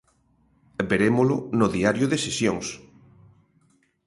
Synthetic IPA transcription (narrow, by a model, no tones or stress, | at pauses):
beɾemolʊnʊðiaɾjʊðesesjoŋs